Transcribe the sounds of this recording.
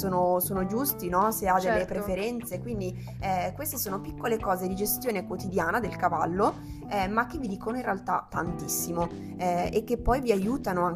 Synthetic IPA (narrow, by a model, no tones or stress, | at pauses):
soːnosoːnod͡ʒust̪inɔsead̪elːepɾefeɾɛnt̪sekwind̪i | ɛkwest̪esoːnopikːolekɔːzed̪id͡ʒest̪joːnekwot̪id̪jaːnad̪elkava̰lːo | ɛmak̟ːevːid̪iːkonoinrealt̪a̰t̪ːa̰nt̪isːimo | ɛekːepːɔjviajuːt̪anoaŋ